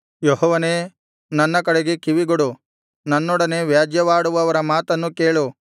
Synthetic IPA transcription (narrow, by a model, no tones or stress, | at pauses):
jɔhɔːʋɐne̞ː | nɐnːɐkɐɽeɡekiʋiɡoɽu | nɐnːɔɽɐneʋjaːd͡ʒjɐʋaːɽuʋɐʋɐɾɐmaːt̪ɐnːuke̞ːɭu